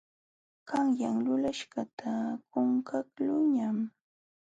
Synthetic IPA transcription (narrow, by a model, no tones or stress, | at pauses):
kaŋjaŋlʊlaʃɢat̪ʰakʊŋkaklʊɲam